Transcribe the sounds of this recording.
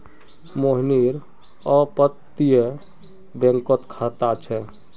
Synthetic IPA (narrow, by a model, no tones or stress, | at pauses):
moɦniɾ | əpət̪ːije | bẽŋkət̪kʰat̪at͡ʃʰɛ